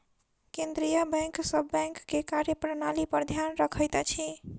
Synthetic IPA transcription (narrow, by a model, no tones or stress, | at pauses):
kẽnd̪ɾijəbɛ̃ŋksəbːɛ̃ŋkːekaɾjəpɾənalipəɾd̪ʱjanɾəkʰəjt̪t͡ʃʰi